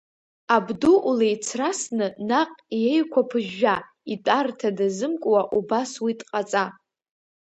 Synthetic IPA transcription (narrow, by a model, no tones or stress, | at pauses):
abduʔulejt͡sʰrasnɨnaqʼjejkʷʰapʰɨʒːa | itʼartʰadazɨmkʷʼwaʔubaswitʼqʼat͡sʼa